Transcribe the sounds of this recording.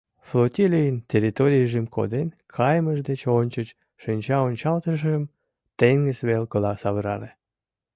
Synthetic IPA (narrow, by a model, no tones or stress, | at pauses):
flot̪ʲilʲijəntʲerʲit̪oɾʲijʒimkʰo̰d̪enkʰɑjməʒd̪et͡ɕonʲt͡ɕət͡ɕ | ʃɨnʲt͡ɕɑonʲt͡ɕɑlt̪əʒəm | t̪eŋɡəsβelkolɑsɑβəɾɑle